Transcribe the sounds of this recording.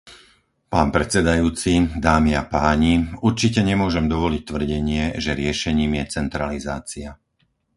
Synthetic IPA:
paːnpɾɛt͡sɛd̪ajuːt͡sid̪aːmiapaːɲiuɾt͡ʃicɛɲɛmʊɔʒɛmd̪ɔʋɔlic̚t̪ʋr̩ɟɛɲɪɛʒɛɾɪɛʃɛɲiːmjɛt͡sɛnt̪ɾalizaːt͡sia

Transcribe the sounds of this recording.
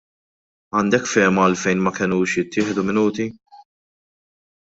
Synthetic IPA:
ɐːnd̪ɛkːfɛːmɐːlfɛjnmɐkɪnuːʃjɪt̪ːɪːħd̪umɪnuːt̪i

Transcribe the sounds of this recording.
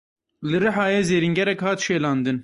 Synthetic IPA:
lɨɾɨħɑːjeːzeːɾiŋɡʲɛɾɛkhɑːt̪ʃeːlɑːnd̪ɨn

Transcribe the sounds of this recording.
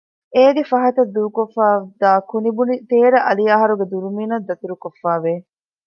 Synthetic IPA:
eːɡefɐɦɐt̪ɐd̪ːuːkofːaːd̪aːkunibunit̪eːɾɐʔɐlijaːɦɐɾuɡed̪uɾumiːnɐd̪ːɐt̪iɾukofːaːʋe

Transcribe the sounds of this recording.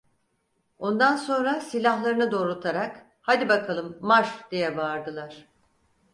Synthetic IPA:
o̞nd̪anso̞nɾasilʲahlˠaɾɯnɯd̪o̞ːɾut̪ʰaɾak | had̪ibakʰalˠɯmːaʃd̪̥ijɛbaɾd̪ɯlˠaɾ̥

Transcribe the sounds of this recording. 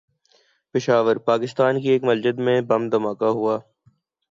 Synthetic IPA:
pɪʃaːʋəɾpaːkɪst̪aːnkieːkmɐld͡ʒəd̪mẽbɐmd̪ɐmaːkaɦuaː

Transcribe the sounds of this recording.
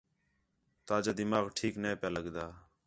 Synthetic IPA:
t̪aːd͡ʒaːd̪ɪmaːɣʈʰiːknẽːpjaːləɡd̪aː

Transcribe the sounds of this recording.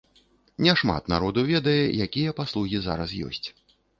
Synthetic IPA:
nʲɛʂma̰t̪naɾɔd̪ɐwvʲɛd̪ɐjɛjakʲijɛpaslˠuɣʲiza̰ɾɐsjɔ̰sʲt͡sʲ

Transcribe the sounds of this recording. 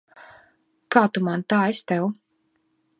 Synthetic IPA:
kaːt̪umant̪aːest̪ɛw

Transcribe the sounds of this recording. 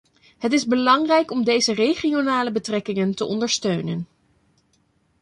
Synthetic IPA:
ɦətɪzbəlɑŋrɛjkɔmdejzərejχionaːləbətrɛkɪŋəntəʔɔndəɹstøɥnən

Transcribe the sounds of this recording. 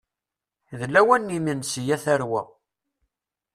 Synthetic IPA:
ðlæwænːiminsijæθæɾwæ̰

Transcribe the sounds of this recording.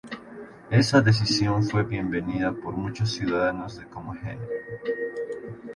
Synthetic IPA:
e̞saðe̞s̬isjo̞ɱfwe̞βje̞mbe̞niðapo̞ɾmut͡ʃosːjuðaðano̞zðekomoxḛneɾo

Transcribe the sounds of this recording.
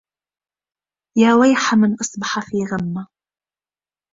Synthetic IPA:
jaːwajħamɪnʔɑsˤbɑħafiːɣamːa

